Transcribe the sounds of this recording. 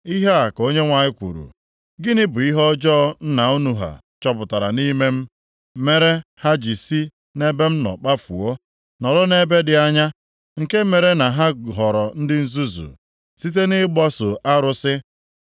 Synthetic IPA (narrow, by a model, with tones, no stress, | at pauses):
i˦ɦe˦a˨ko˦ɲe˦ŋʷa˨ɲɪ˦kʷṵ˨ɾṵ˨ | ɡɪ˦nɪ˦bʊ˨i˦ɦɔ˦d͡ʒɔ˦n̩˦na˨u˦nu˨ɦa̰˨ | t͡ʃɔ˦pʊ˨ta˨ɾa̰˨ni˦me˦m̩˦ | me˦ɾe˦ha˦d͡ʒi˨si˦ | ne˦be˦m̩˦nɔ̰˨k͡pa˦fṵ˨o˦ | nɔ˨ɾɔ˦ne˦be˦dɪ˨a˦ɲa˦ | ŋ̩˨ke˦me˨ɾe˦na˨ɦa˦ɦɔ˨ɾɔ˨n̩˦dɪ˦n̩˦zu˦zṵ˨ | si˦t̬e˦nɪ˦ɡ͡bɔ˦sʊ˨ʔa˦ɾʊ˦sɪ˦